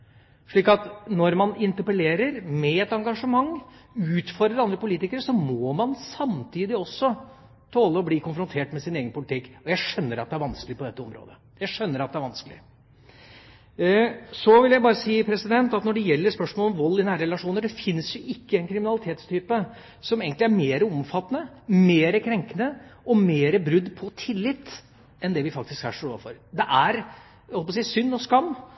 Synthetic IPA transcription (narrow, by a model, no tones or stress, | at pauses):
ʂɭiːkɑt̪nɔɾmɑnɪnt̪əɾpəleːɾəɾmɛɛt̪ɑŋɡɑʂəmɑŋːʉːt̪fɔɾəɾɑnd̪ɾəpʊliːt̪ɪkəɾʂɔmɔmɑnsɑmt̪ʰiːd̪ɪɔsːɔ | t̪ʰoːləɔbliːkʰʊnfɾʊnt̪ʰeːʈmɛsɪneːɡənpʊlɪt̪ʰɪkːɔjæɪʂœnːəɾɑt̪̚d̪ɛæɾʋɑnsklɪəpɔd̪ɛt̪ːəɔmɾo̰ːd̪ə | jæɪʂœnːəɾɑt̪̚d̪ɛæɾʋɑnskəlɪ | sɔʋɪljæɪbɑːɾəsiːpʰɾɛsɪd̪ɛnt̪ɑt̪nɔɖɛjɛlːəɾspœʂmɔlɔmʋɔlːɪnæːɾəɾɛlɑʂuːnəɖɛfɪnːsjʊʔɪkːəɛnkʰɾɪmɪnɑlɪt̪ʰeːt̪st̪ʰyːpə | sɔmeːɡənt̪lɪæɾmeːɾəɔmfɑt̪ːənə | meːɾəkʰɾɛŋkənəɔmeːɾəbɾʉd̪ːpʰɔt̪ʰɪlːɪt̪ː | ɛnd̪ɛʋɪfɑk̚t̪ɪskhæ̰ʂɔɾo̰ːʋfɔɾd̪ɛʔæɾ | hɔlpɔsiːsʏnːɔskɑmː